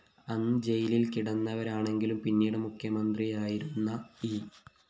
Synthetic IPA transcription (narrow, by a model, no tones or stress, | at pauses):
ɐnːɨd͡ʑe̞jililkiɽɐnːɐʋɐɾaːɳe̞ŋɡilumpinːiːɽemukʰjɐmɐnd̪rijaːjiɾunːɐiː